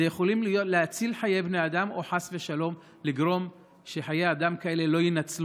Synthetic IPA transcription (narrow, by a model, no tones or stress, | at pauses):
ejeχo̞limlijo̞t̪leat͡silħaje̞jbnejad̪amoħasve̞ʃalo̞m | liɡʁo̞m | ʃeħajejad̪amkae̞le̞lo̞jinat͡sl